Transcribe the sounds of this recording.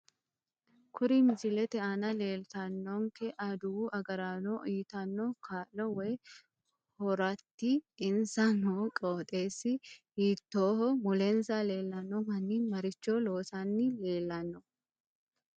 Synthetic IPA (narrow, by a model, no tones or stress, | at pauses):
kʰʊɾɪmɪd͡ʒɪlɛt̪ɛɐnɐleːlt̪ɐnːɔŋkɛʔɐd̪uʔɐɡɐɾaːnoiːt̪ɐnːɔkʰaːlɔwɛː | hɔɾɐt̪ːiɪnsɐnoːkʼoːt̪ʼeːsːɪhiːt̪ːoːhɔmɔlɛnsaːle̞ːlːɐnːɔmɐnːimɐɾɪt͡ʃːoːlo̞ːsɐnːɪle̞ːlːɐnːɔ